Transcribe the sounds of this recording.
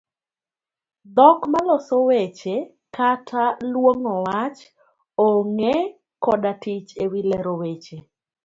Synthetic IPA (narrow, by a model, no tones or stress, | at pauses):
d̪ɔkmalɔsowet͡ʃe | katʰalwoŋɔwat͡ʃ | oŋe | kɔdatit͡ʃewilɛɾowet͡ʃe